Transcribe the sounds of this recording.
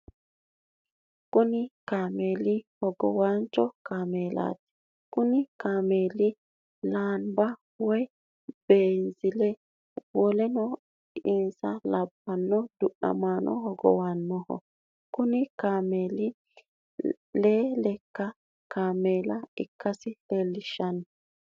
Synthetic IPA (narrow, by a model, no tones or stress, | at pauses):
kʊnɪkaːmeːlɪhɔɡɔwant͡ʃːɔkaːmeːla̰ːt̪ɛ̥ | kʊnɪkaːmeːlɪ | laːnbɐ | wɔj | b̥eːnzɪlɛ | wɔlɛnɔ | ɪnsɐlɐbːɐnːɔd̪ʊɗɐ̰maːnʔɔ̰hɔɡɔ̰wanːɔhɔ̰ | kʊnɪkaːmeːlɪ | leːlɛkːɐ | kaːmeːlɐɪkːɐsɪlelːɪʃːɐn